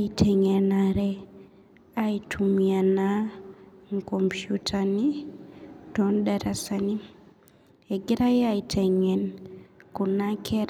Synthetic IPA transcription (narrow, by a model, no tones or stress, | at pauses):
aitʰeɲenaɾe | aitʰumjana | ŋkompjutʰani | tondaɾasani | eɡiɾajeajitʰeɲenkunakʰeɾ